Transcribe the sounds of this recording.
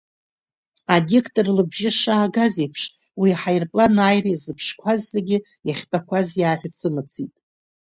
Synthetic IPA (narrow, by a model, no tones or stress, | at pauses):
adekʰtʼɨrlɨbʒɪʂaːɡazejpʰʂ | wiħajrpʼlanaːjrijzɨpʰʂkʷʰazːaɡʲɪ | jaχʲpʰʼakʷʰazjaːħʷᶣt͡sʰɨmɨt͡sʰitʼ